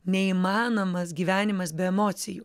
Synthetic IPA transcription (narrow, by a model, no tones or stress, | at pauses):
nʲɛiːmɑːnoːmɐsɡʲiːʋʲæːnʲɪmɐsbʲɛɛmoːt̪sʲɪjuː